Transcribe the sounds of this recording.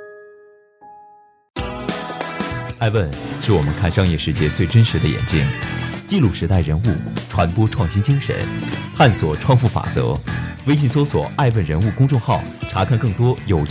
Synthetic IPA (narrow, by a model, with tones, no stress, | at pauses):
a˥˧ɪwə˥˧nʂɻ̩˥˩wɔ˨˩mə˦nkʰa˥˩nʂɑ˥ŋjɛ˥˧ʂɻ̩˥˧t͡ɕjɛ˥˧t͡swe˥˩ɪʈ͡ʂə˥nʂɻ̩˧˥d̪ə˧jɛ̰˨˩nt͡ɕi˥nt͡ɕi˥˧lu˥˩ʂɻ̩˧˥t̪a˥˩ɪɻə˧˥nu˥˩ʈ͡ʂʰwa˧˥npwɔ˥ʈ͡ʂʰwɑ˥˩ŋɕi˥nt͡ɕi˥ŋʂə̰˧˥˦nxa˥˩nswɔ˨˩ʈ͡ʂʰwɑ˥˧nfu˥˩fa̰˨˩t͡sɤ̰˧˥we˥ɪɕ̬i˥˩s̬o˥swɔ̰˨˩˦ʔa˥˧ɪwə˥˩nɻə˧˥nu˥˩kʊ˥ŋʈ͡ʂʊ˥˧ŋxɑ˥˩ʊʈ͡ʂʰa˧˥kʰa˥˧nkɤ˥˩ŋt̪wɔ˥jo˨˩ʊ